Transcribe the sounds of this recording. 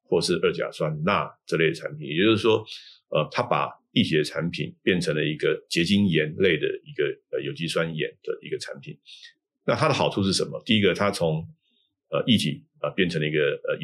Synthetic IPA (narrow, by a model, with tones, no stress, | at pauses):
xwɔ˥˩ʂɻ̩˥˧ə˞˥˩t͡ɕja̰˨˩swa˦nna˥˧ʈ͡ʂə˥˧le˥˩ɪd̪ə˩ʈ͡ʂʰa̰˧˥npʰi˨˦njɛ˨˩t͡ɕo˥o˥ʊ˩ʂ̩˥˩ʂwɔ˥ | ə˧t̪ʰa˥pa̰˨˩ | i˥˩t͡ɕʰi˨˥d̪ə˧ʈ͡ʂʰa˧˥npʰḭ˨˩npjɛ˥˩nʈ͡ʂʰə˧˥ŋlə˧i˧˥ɡə˧t͡ɕjɛ˧˥t͡ɕi˥njɛ˧˥nle˥˩ɪd̪ə̰˩i˧˥ɡə˧ə˩jo˨˩ʊt͡ɕi˥swa˥njɛ̰˨˩nd̪̥ə˨i˧˥ɡə˧ʈ͡ʂʰa˧˥npʰi˨˩˦n | na˥˩t̪ʰa˥d̪ə˨xɑ˨˩ʊu˥˧ʂ̬ɻ̩˥˩ʂə˧˥nmə˦t̪i˥˩i˦˥ɡə˨t̪ʰa˥t͡sʰʊ˧˦ŋ | ə˧i˥˩t̪ʰḭ˨˩ | ə˨˩pjɛ˥˩nʈ͡ʂʰɤ˧˥ŋlə˧i˧˥ɡə˧ə˩